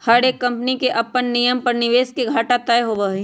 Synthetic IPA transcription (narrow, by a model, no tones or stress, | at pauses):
hɐɾekːɐ̃mpnikeʔɐpːənːijəmpɐɾnɪʋeːskeɡʱaːʈat̪ɐjɦobɐɦe